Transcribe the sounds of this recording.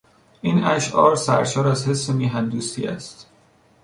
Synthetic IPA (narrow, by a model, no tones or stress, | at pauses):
ʔiːnæʃʔɒ̰ːɾsæ̰ɾʃɒːɾæzhe̞sːemiːɦænd̪uːst̪ḭːæ̰st̪